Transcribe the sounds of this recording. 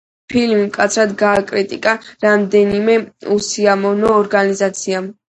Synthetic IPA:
pʰilmimkʼat̪sʰɾad̪ɡaːkʼɾit̪ʼikʼaɾamd̪ɛnimɛusiamɔvnɔːɾɡanizat̪sʰiam

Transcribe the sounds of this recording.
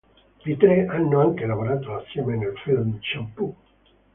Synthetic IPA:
d̪it̪ɾeʔanːoaŋkelavoɾaːt̪oasjɛmenelfilmt͡ʃampu

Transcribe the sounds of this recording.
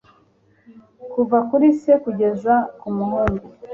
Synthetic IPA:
kuvakuɾisekuɟe̞zakumuɦoɾo

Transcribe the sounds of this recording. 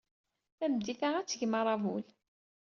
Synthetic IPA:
θæmd̪iθaʁæt͡sːʝmɑɾˤɑvul

